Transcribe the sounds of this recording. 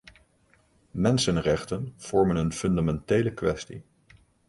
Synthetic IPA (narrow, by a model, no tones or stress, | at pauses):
mɛnsənrɛχtənv̥ɔɹmənənfɵndamɛntejləkʋɛstḭ